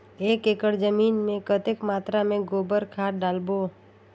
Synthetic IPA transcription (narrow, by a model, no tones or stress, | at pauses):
eːkeːkəɾd͡ʒəmiːnmẽkət̪ekmaːt̪ɾamẽɡoːbəɾkʰaːʈɖaːlboː